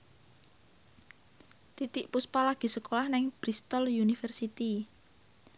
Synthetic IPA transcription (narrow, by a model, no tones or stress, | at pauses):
t̪it̪ɪʔpuspalaɡ̥i̤səkolahnɪŋb̥ɾist̪ɔljunifərsit̪i